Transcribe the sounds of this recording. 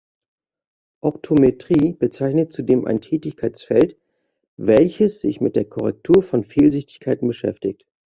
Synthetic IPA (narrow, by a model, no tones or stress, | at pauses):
ʔɔptʰometʁ̥iːb̥ət͡saɪçnət̚t͡sudeːmʔa̰ɪntʰɛːtɪçkʰaɪt͡sfɛlt | vɛlçəsz̥ɪ̰çmɪt̚d̥eːɐkʰɔʁɛk̚tʰuːɐfɔnfiːlzɪçtɪ̥çkʰaɪtn̩bəʃɛ̰ftɪçt